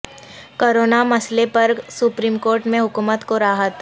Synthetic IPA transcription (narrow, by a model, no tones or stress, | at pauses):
koːɾoːnamɐslepɐɾsʊpɾiːmkoːɾʈmẽɦʊkuːmət̪koɾaːɦət̪